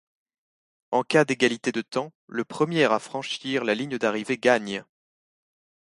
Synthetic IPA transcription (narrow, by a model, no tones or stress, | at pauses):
ɑ̃kad̪eɡʲalit̪ed̪ət̪ɑ̃ləpχəmjɛʁafχɑ̃ʃiʁlaliɲd̪aʁiveɡaɲ